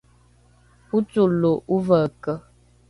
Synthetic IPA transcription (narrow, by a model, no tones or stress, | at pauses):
put͡suloʔuvəkə